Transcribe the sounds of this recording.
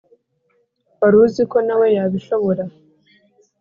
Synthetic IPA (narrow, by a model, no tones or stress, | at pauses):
βaɾuziko̞nawe̞jaβiʃoβoɾa